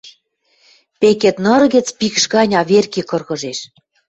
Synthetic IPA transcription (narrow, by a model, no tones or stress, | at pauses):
pekĕt̪nɤ̆ɾɣĕt͡spikʃɣɑnʲɑβerkikɤ̆rɣɤ̆ʒeʃ